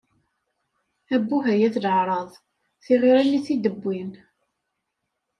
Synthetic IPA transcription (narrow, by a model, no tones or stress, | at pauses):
æbːuɦæjæθləʕɾˤɑðˤ | θiʁiɾænːiθid̪əbʷːin